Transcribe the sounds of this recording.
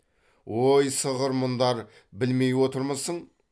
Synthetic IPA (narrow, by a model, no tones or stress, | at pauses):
wojsəʁəɾmʊnd̪ɑɾ | bɪlme̞jwo̞t̪əɾməzəɴ